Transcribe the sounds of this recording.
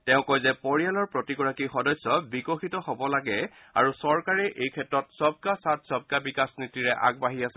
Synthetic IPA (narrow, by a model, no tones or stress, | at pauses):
tɛʊ̃kojzɛpoɹijalɔɹpɹotiɡɔɹakixɔdɔjsːɔbikɔxitɔɦɔbɔlaɡɛ | a̰ɹusɔɹkaɹɛʔejkʰɛtɹɔtsɔb̚kasat̚ʰsɔb̚kabikasnitiɹɛʔa̰ɡ̚baɦiasɛ